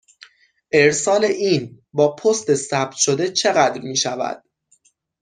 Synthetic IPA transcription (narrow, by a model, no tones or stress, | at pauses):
ʔe̞ɾsɒːle̞ʔiːn | bɒːpʰost̪e̞sæb̥̚t̪ʰʃo̞d̪et͡ʃʰe̞ɣæd̪ɾmiːʃævæ̰d̪̥